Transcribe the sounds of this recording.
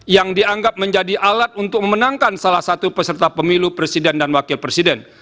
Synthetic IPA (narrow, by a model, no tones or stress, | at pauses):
jaŋdiaŋɡap̚məɲd͡ʒadiʔalat̪̚unt̪ʊk̚məmənaŋkansalahsat̪upəsərt̪apəmilupɾesidɛndanwakɪlpɾesidɛn